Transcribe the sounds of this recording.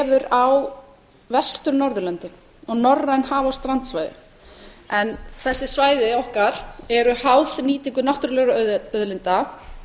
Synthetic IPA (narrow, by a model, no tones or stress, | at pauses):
vʏɾaw | vɛst̪ʏɾnɔɾðʏlɛnt̪ɪn | ɔɣnɔrːajnhaːvawst̪ɾant̪svajðɪ̰ | ɛnθɛsːɪsvaːjðɪɔhkaɾ̥ɛɾʏhawðniːt̪iŋkʏnawht̪ʏɾlœɣɾaœœðlɪnt̪a